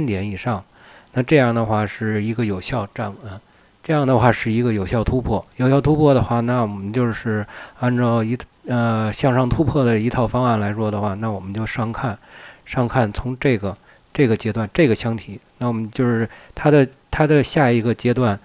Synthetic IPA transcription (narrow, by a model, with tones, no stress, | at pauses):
nt̪jɛ˧˥ni˨˩ʂɑ˥˩ŋ | na˥˧ʈ͡ʂɤ˥˧jɑ˥˩ŋd̪ə˩xwa˥˧˩ʂɻ̩˥˩i˧˥ɡə˧jo˨˩ʊɕjɑ˥˧ʊʈ͡ʂa˥˩nə˧˩ | ʈ͡ʂɤ˥˧jɑ˥˩ŋd̪ə˩xwa˥˧ʂɻ̩˥˩i˧˥ɡə˧jo˨˩ʊɕjɑ˥˩ʊt̪ʰu˥pʰwɔ˥˩jo˨˩ʊɕjɑ˥˩ʊt̪ʰu˥pʰwɔ˥˩d̪ə˩xwa˥˩na˥˩wɔ˨˩mə˦nt͡ɕjo˥˧ʊʂɻ̩˥˩a˥˧nʈ͡ʂɑ˥˩ʊi˧˥ə˧ɕjɑ˥˧ŋʂɑ˥˩ŋt̪ʰu˥pʰwɔ˥˩d̪ə˩i˧˥t̪ʰɑ˥˩ʊfɑ˥ŋa˥˩nla˧˥ɪʂwɔ˥d̪ə˨xwa˥˩na˥˩wɔ˨˩mə˦nt͡ɕjo˥˧ʊʂɑ˥˧ŋkʰa˥˩nʂɑ˥˧ŋkʰa˥˩nt͡sʰʊ˧˥ŋʈ͡ʂe˥˩ɪɡə˩ | ʈ͡ʂɤ˥˩ɡə˩t͡ɕjɛ˥t̪wa˥˧nʈ͡ʂɤ˥˩ɡə˩ɕjɑ˥ŋt̪ʰi˨˥˦na˥˩wɔ˨˩mə˦nt͡ɕjo˥˧ʊʂɻ̩˥˩t̪ʰa˥d̪ə˨ | t̪ʰa˥d̪ə˨ɕja˥˩i˧˥ɡə˧t͡ɕjɛ˥t̪̬wa˥˩n